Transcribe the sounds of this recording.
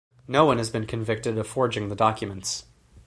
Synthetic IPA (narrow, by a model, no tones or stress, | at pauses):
noʊwʌ̃nɨzbɨ̃nkʰɨ̃ɱvɪk̚tɨɾʌv̥fɔɹd͡ʒɪ̃ŋðədɑkʰjɨmə̃nts